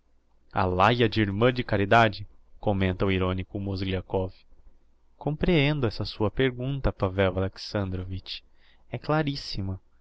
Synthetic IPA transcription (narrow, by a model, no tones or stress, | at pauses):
a̰lajɐd͡ʒɪiɾmɐ̃d͡ʒɪkaɾid̪ad͡ʒɪkomẽnt̪ɐʊiɾõnikʊmozɡliakɔvɪ̥ | kõmpɾeẽnd̪ʊɛsɐsuɐpeɾɡũnt̪ɐpavɛwaleksɐ̃nd̪ɾovit͡ʃ | ɛklaɾisimɐ